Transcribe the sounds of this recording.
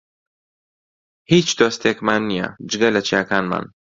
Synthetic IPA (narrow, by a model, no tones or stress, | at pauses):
hiːt͡ʃd̪oːst̪ekmaːnːijɐ̰d͡ʒɨɡɐlɐt͡ʃijaːkaːnma̰ːn